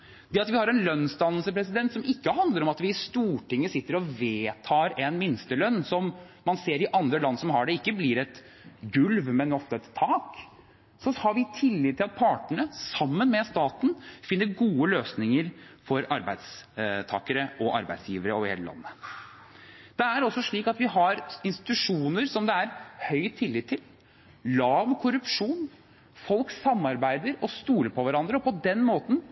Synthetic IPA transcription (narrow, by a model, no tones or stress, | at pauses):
d̪̥ɛɑt̪ʋɪhɑɾɛnlœnːst̪ɑnːəlsəpɾɛsɪd̪ɛnt̪sɔmɪkːəhɑnd̪ləɾɔmɑt̪ʋɪːst̪uːʈɪŋːəsɪt̪ːəɾɔʋeːt̪ʰɑːɾɛnmɪnst̪əlœnːsɔmː | ɑnseːɾɪʔɑnd̪ɾəlɑnːsɔmɦɑɖɛɪkːəblɪɾɛt̪ | ɡʉlʋmɛnɔt̪ːɛt̪ʰːɑːk | sɔhɑɾʋɪt̪ʰɪlːɪːd̪ʰɪlɑt̪̚pʰɑːʈəɳəsɑmːənmɛst̪ɑːt̪n̩fɪnːəɾɡuːəløːsnɪŋəɾfɔɾɑɾbæɪd̪st̪ʰɑːkəɾəʔɔʔɑ̰ɾbæ̰ɪsjiːʋəɾəɔʋhḛləlɑ̰nːə | d̪̥ɛæɾɔsːɔʂɭiːkɑt̪ʋɪɦɑɾɪnst̪ɪ̥t̪ʉʂuːnəɾsɔmd̪ɛæɾhœʏt̪ʰːɪlːɪːt̪ʰːɪl | lɑːʋkʰʊɾʉpʂuːn | fɔlksɑmːɑɾbæɪd̪əɾɔst̪uːləɾpʰɔʋæɾɑnd̪ɾəɔpɔd̪ɛnmoːt̪n̩